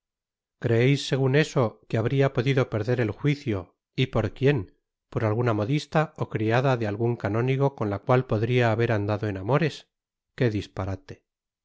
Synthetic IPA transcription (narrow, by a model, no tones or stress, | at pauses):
kɾe̞ejsːe̞ɣ̞une̞so̞keaβɾiapo̞ðiðo̞pe̞ɾðe̞ɾe̞lxwiθjo̞ | ipo̞ɾkje̞m | po̞ɾalɣunamo̞ðist̪ao̞kɾiaðaðealɣuŋkano̞niɣ̞o̞ko̞nlakwalpo̞ðɾiaːβe̞ɾand̪aðo̞enamo̞ɾe̞s | ke̞ðispaɾat̪e̞̥